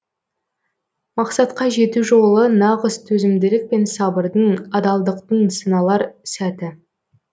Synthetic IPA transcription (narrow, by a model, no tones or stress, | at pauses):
mɑqsɑt̪qɑʒe̞t̪uʒo̞lˠənɑʁəst̪ʰɵzɪmd̪ɪlɪk̚pe̞nsɑbəɾd̪əɴɑd̪ɑlˠd̪əqt̪əɴsənɑlˠɑɾsæt̪ɪ